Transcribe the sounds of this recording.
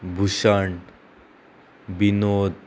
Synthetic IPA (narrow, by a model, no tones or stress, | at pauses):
bʱuɕaɳ | binod̪